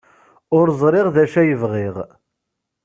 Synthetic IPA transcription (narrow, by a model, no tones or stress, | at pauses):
ʊɾzˤɾˤɪʁðæʃæjəvʁɪʁ